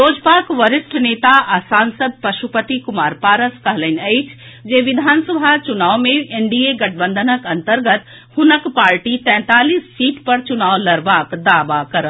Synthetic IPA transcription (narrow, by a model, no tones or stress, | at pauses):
ɾoːd͡ʒpaːkʋəɾɪsʈneːt̪aʔasaːnsəd̪̚pɐʃupət̪ikʊmaːɾpaːɾəskɐɦləneɪt͡ʃʰd͡ʒeːʋɪd̪ʱaːnsəbʱat͡ʃʊnaːʋmẽeɳɖieɡɐʈʰbə̃nd̪ʱənəkɐ̃nt̪əɾɡət̪ | hʊnəkpaːɾʈit̪ɛ̃ːt̪aːliːsːiːʈpɐɾt͡ʃʊnaːʋlɐɾʋaːkd̪aːʋakɐɾə